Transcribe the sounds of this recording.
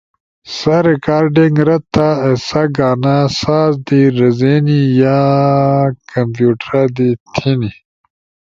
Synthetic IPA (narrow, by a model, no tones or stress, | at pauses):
saɾekaːɾɖiŋɡɾɐt̪ːaesaɡaːnasaːzd̪iɾɐzenija | kɐmpjuːʈɾad̪it̪ʰini